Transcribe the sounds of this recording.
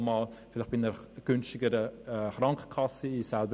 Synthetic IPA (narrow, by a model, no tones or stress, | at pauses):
mɑːlfɪlɪχbinəɾɡ̥ʏnstɪɡəɾəɛχɾɑŋkə̥kʰɑsəɪsɛlbə